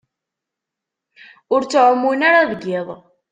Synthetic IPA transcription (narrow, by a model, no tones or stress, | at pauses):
ʊɾt͡sːʕəmːunaɾaðəɡːɪðˤ